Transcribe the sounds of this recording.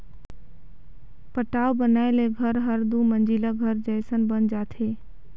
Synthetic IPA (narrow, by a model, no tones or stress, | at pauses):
pəʈaːobənaːeleɡʱəɾɦəɾd̪umə̃nd͡ʒilaɡʱəɾd͡ʒəjsənbənd͡ʒaːt̪ʰeː